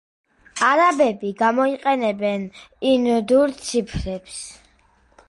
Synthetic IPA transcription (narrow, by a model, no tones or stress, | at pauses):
aɾabɛbiɡamɔiqʼɛnɛbɛnind̪uɾt̪sʰipʰɾɛps